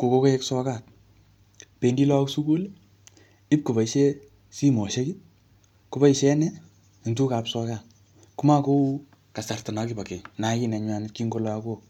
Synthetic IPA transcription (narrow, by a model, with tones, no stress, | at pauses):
ko˨ko˧ko˦e˦ksɔ˦ka˨t̚ | pe˧ndi˦lɔ˦ksu˦ku˦l | i˦p̚ko˨ba˨iʃe˦ | si˦mo˨ʃe˦ki˦ | kʊ˨ba˦i˨ʃɛ˦nɛ˦˨ | ntu˦ka˨psɔ˧ka˨t̚ | ku˦ma˦ko˦u˦ | ka˨sa˨rtɔ˨na˨ki˦ba˨ke˨na˨ki˦nɛ˨ɲwa˨nɪ˦t̚ki˦ŋɡo˦lɔ˦a˦ko˦